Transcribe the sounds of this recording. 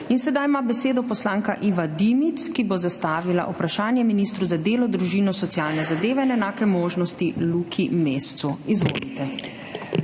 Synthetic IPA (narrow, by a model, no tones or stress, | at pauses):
insɛd̪ajmabɛseːd̪ɔpɔslaːŋkaʔiʋad̪imit̪skibozast̪aːʋila̰ʔupɾaʃaːnjɛminiːst̪ɾuzad̪eːlɔd̪ɾuʒinɔsɔt̪sjaːlnɛzad̪eːʋɛnɛnaːkɛmoːʒnɔst̪ilukʰimeːst̪suizʋo̰ːlit̪ɛ